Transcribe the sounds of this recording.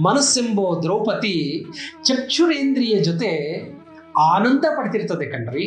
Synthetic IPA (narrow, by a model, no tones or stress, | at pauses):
mɐnɐsimboːd̪ɾɐwpɐt̪it͡ʃɐkt͡ʃuɾeːnd̪ɾijɐd͡ʒot̪e | aːnɐnd̪ɐpɐɽit̪iɾt̪ɐd̪ekːɐɳɖɾi